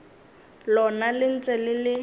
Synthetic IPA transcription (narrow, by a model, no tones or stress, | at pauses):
lɔnalɪn̩t͡sʼɛlɪlɪ